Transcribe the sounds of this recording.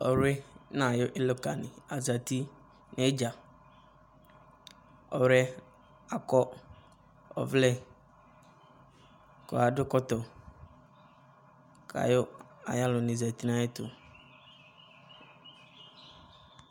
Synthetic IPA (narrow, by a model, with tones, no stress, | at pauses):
ɔ˨˦ɾɪ˦nã˨jʊ˦ʔɪ˦lo˦ka˨nɪ̰̃˨a˨za˨ti˦ | nɪ˦d͡ʒa˨ | ɔ˨wɾɛ˦ | a˨kɔ˦ | ɔ̰˨vlɛ˦ | kɔ̰˨a˨dʊ˦kɔ˦tɔ˨ | kʰa̰˨jʊ˦ | a̰˨ja˦lʊ˨nɪ̃˨za˨ti˦nã˦jɪ˦tʊ̰˨